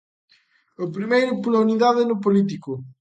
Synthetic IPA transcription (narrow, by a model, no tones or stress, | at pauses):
opɾimejɾʊpolauniðaðɪnʊp̬olit̪̬ikʊ